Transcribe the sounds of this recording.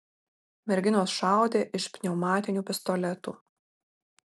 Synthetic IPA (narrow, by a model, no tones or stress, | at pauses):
mʲɛɾʲɡʲɪnoːsʃɑˑʊd̪ʲeːʔɪʃpʲnʲɛʊmɑːt̪ʲɪnʲuːpʲɪst̪ɔlʲɛt̪ṵ